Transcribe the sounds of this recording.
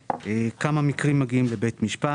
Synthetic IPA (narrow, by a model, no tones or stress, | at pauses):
ʔekamamikʁimːaɡiimlebetmiʃpa